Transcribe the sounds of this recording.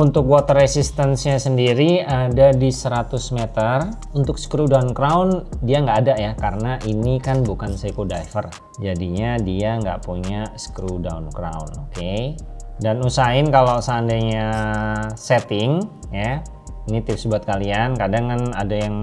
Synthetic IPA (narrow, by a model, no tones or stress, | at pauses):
unt̪ʊk̚wɔt̪əresist̪ɛnsɲasəndiɾiadadisəɾat̪ʊsmet̪ər | unt̪ʊk̚skɾudaunkɾawndiaŋɡaʔːdajakaɾənaʔinikanbukansekodajfər | d͡ʒadiɲadiaŋɡa̰ʔpuɲasə̥kɾuda̰unkɾa̰unoke | danusaɪnkalosəandaɲa | sɛt̪ɪŋ | ja | init̪ɪp̚sbuat̪̚kaliankadaŋkanadajaŋ